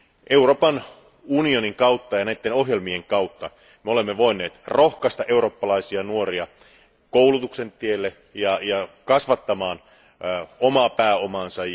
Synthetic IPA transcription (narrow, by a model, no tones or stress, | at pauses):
ʔe̞uroːpɑn | unio̞niŋkɑut̪ːɑjɑnæit̪ːenoɦjelmieŋkɑwt̪ːɑ | meolemːeʋo̞inːe̞ːt̪rohkɑst̪ɑʔeuro̞ːpːɑlɑisiɑnuoriɑ | koulut̪ukse̞nt̪ielːe | jɑjɑkɑsʋɑt̪ːɑmɑːn | omɑpæːomɑnsɑj